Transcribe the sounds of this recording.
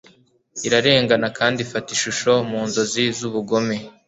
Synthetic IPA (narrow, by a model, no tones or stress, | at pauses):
iɾaɾe̞ːŋɡanakaːndifatiʃuʃo̞muːnzo̞zizuβuɡo̞me